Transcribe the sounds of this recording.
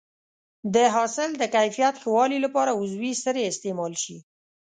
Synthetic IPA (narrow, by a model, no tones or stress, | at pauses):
d̪əɦɑsɪld̪əkajfijat̪xəwɑlilapɑɾaʊzwisəɾeɪst̪emɑlʃi